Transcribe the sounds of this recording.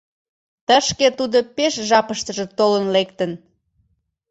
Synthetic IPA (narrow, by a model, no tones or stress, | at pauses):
t̪əʃket̪ud̪opeʃʒɑpəʃt̪əʒĕt̪olənlekt̪ən